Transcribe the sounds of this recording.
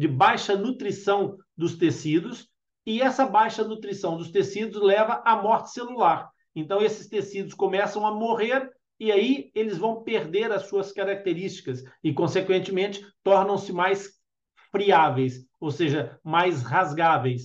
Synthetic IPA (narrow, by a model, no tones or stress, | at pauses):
d͡ʒɪbajʃɐnut̪ɾisɐ̃w̃ | d̪ʊst̪esid̪ʊs | ɪɛsɐbajʃɐnut̪ɾisɐ̃w̃d̪ʊst̪esid̪ʊzlɛvɐʔamɔɾt͡ʃɪ̥selulaɾ | ẽnt̪ɐ̃w̃esɪ̥st̪esid̪ʊskõmɛsɐ̃w̃ɐmoʁeɾ | ɪaielɪzvɐ̃w̃peɾd̪eɾɐsuɐskaɾak̚t̪eɾist͡ʃi̥kɐsɪkõsekwẽnt͡ʃɪmẽnt͡ʃɪ̥t̪ɔɾnɐ̃w̃sɪmajs | fɾiavejs | owseʒɐmajshazɡavejs